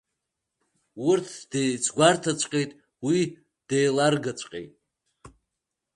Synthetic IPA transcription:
wʊrtʰd̥ejt͡sʰɡʷartʰat͡ɕʷʼqʼejtʼ | wi | d̥ejlarɡat͡ʃʷʼqʼḛjtʼ

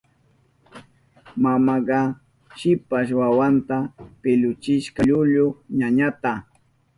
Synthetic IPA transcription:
mamɑɢɑ | ʃɪpaʃwawant̪apɪʎʊt͡ʃɪʃkɑʎʊʎʊɲaɲat̪a

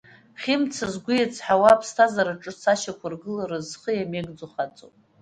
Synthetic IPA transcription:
χʲɪmt͡sʰazɡʷʊjat͡sʰʼħawapʰstʰazaɾaʈ͡ʂʼɨsaʃakʷʰarɡɨlaɾɨzχəjameɡd͡zuχat͡sʼo̰

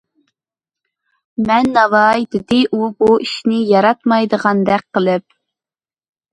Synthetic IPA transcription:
mɛnːɑvɑjd̪ɪd̪ɪʔubuiʃnɪjɑɾɑt̪mɑjd̪əʁɑnd̪ɛk̚ʲqʰəlˠɪp̚

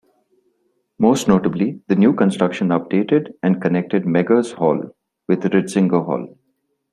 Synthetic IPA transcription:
moːsʈnoːʈəblid̪ənjuːkə̃nsʈɾʌkʃə̃nʌp̚ɖeːʈɪɖɛ̃ɳɖ̚kənek̚ʈɪɖ̚mɛɡəzhɔːl | ʋɪd̪ɾɪɖsɪ̃ŋɡəɦɔ̰ːl

